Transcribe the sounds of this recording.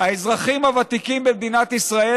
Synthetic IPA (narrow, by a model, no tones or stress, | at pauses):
haezʁaχimhavat̪ikimbemd̪inat̪isʁae